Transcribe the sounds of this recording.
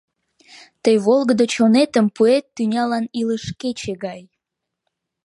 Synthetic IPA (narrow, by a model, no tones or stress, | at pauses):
t̪əjβolɣəd̪ət͡ɕonet̪əmpuet̪ːynʲɑlɑniləʃket͡ɕeɣɑj